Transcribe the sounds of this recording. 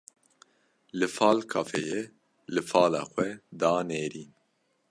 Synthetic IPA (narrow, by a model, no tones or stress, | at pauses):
lɨfaːlkʰɑfɛ̰je | lɨfɑːla̰ːxʷɛd̪aːneːɾiːn